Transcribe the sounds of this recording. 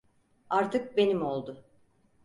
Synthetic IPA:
aɾt̪ɯk̚be̞nimolˠd̪ʊ

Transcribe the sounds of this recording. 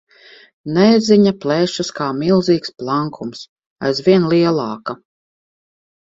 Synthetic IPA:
nɛziɲaplɛʃaskaːmilˠziːksplˠaŋkʰums | a̰jzvʲiɛnlˠiɛlˠɑːka

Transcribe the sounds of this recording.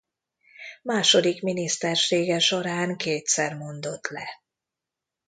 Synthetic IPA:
maːʃod̪ikminist̪ɛrʃeːɡɛʃo̞ɾaːŋkeːt̪sɛrmo̞nd̪o̞t̪lɛ

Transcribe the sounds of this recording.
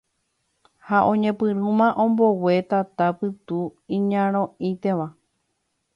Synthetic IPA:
haʔõ̞ɲẽ̞pɨɾɨ̃mãʔõ̞mbo̞we̞t̪at̪apɨt̪uĩɲãɾ̃õit̪e̞ʋa

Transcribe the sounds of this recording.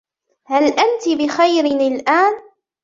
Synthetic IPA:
halʔant̪ɪbɪxajɾɪnɪlʔaːn

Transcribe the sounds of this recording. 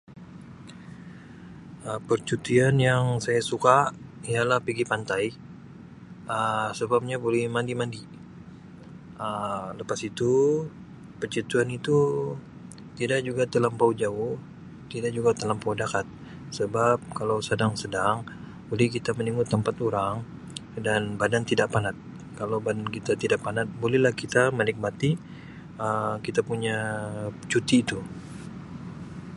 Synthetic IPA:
əpərt͡ʃut̪ianjaŋsajasukaialahpiɡipant̪aj | ʔəsəbap̚ɲabolɛhmandimandi | ələpasit̪u | pərt͡ʃut̪ianit̪u | t̪idak̚d͡ʒuɡat̪əlampaud͡ʒaʊh | t̪idaʔd͡ʒuɡat̪əlampawdakat̪̚ | səbap̚kalawsədaŋsədaŋ | ulɛhkit̪aməniŋut̪əmpat̪uɾaŋ | danbadant̪idaʔpanat̪̚ | kalawbadankit̪at̪idaʔpanat̪̚bolɛhlahkit̪aməlɪk̚mat̪i | əkit̪apuɲa | t͡ʃut̪iːt̪u

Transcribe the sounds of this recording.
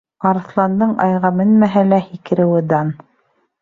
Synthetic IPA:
ɑɾɤ̆θlˠɑnd̪ɤɴɑjʁɑmɘnmæɦælæhikɘ̆ɾɘ̆wɘ̆d̪ɑn

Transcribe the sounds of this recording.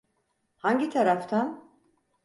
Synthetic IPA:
haɲɟit̪ʰaɾaft̪ʰan

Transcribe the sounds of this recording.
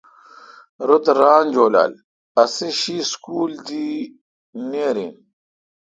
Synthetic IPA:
ɾut̪ɾaːnd͡ʑoːla̰ːl | ɐsiɕiːskuːld̪i | neːɾḭn

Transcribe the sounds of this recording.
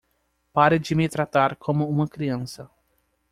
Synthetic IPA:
paɾɪd͡ʒɪmɪt̪ɾat̪aɾkʰõmʊũmɐkɾiɐ̃nsɐ

